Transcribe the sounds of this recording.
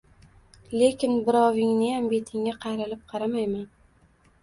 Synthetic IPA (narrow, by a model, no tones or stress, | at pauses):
le̞kʲɪnbɪɾɒvɪŋnɪjambe̞t̪ʰɪŋːaqʰɑjɾɪlɪp̚qʰɑɾamajman